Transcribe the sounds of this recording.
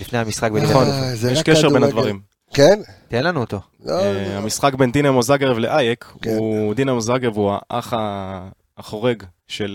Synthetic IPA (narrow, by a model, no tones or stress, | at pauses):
lifnehamisχak̚benχonzjeʃkeʃebe̞nhad̪vaʁim | kent̪ienlanuot̪o | lehamisχakbe̞nd̪inamozaɡeʁevleʔajekud̪inamozʁaɡevuaʔa̰χaː | χo̞ʁe̞ɡ | ʃe̞l